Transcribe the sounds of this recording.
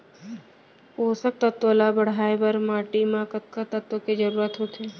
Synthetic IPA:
oːsək̚t̪ət̪ːolabəɽ̤aːebəɾmaːʈimãkət̪̚kat̪ət̪ːoked͡ʒəɾuːɾət̪ɦot̪eː

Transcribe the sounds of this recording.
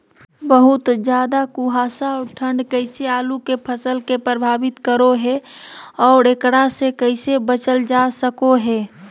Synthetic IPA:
bəɦʊt̪d͡ʒjaːd̪akuɦaːsaɔːɾʈʰə̃ɳɖkəɪseaːlukepʰəsəlkepɾəbʱaːbɪt̪kəɾoɦɛɔːɾekɽasekəɪsebət͡ʃəld͡ʒasəkoɦɛː

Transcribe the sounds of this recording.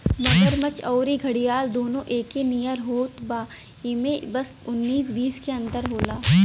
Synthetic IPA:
mɐɡəɾmɐt͡ʃɔːɾiɡʱɐɽijaːld̪oːnõʔeːkenijəɾɦoːt̪baː | ɪmẽbɐs | ʊnːiːsbiːskeɐ̃nt̪əɾɦoːlaː

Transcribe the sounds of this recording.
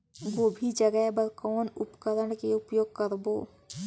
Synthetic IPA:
ɡoːbʱid͡ʒəɡɛbəɾkɔːnʊpkəɾəɳkeʊpjoːɡ̚kəɾboː

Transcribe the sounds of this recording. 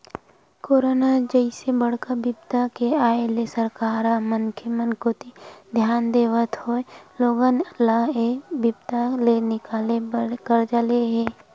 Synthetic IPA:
koːɾonad͡ʒəɪsebəɽ̤kabɪbt̪akeaːelesəɾkaːɾamənkʰemənkot̪id̪ʱjaːnd̪eːʋət̪hoeloːɡənəlːaɦebɪbt̪alenɪkaːlekəɾd͡ʒaleɦɛː

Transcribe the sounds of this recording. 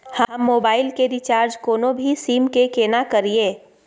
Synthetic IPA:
həɐmːoːbaːɪlkeɾit͡ʃaːɾd͡ʒkoːnõbʱisiːmkekeːnakɐɾieː

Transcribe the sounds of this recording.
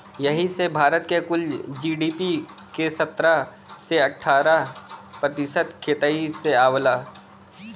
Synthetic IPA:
jɐɦisebʱaːɾət̪kekʊld͡ʒiːɖiːpi | kesɐt̪ɾa | seɐʈʰːaːɾapɾət̪ɪʃət̪kʰeːt̪aiseaːwlaː

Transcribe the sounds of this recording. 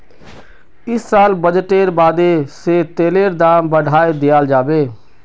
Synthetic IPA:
ɪsːaːlbəd͡ʒʈeɾbaːd̪eset̪eːleɾd̪aːmbəɽ̤ʱaːed̪ejald͡ʒaːbe

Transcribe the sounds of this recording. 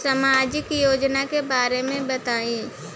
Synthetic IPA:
samaːd͡ʒɪkjoːd͡ʒnakebaːɾemẽbɐt̪aːe

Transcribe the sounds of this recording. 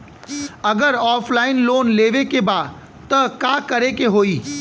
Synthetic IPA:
ɐɡəɾɔːfʰlaːɪnloːnleːʋekebaː | t̪ɐkakɐɾekeɦoːiː

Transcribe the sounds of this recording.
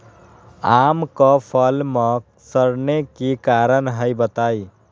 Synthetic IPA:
amkəpʰəlmə | səɾnekikaɾənɦəjbət̪aj

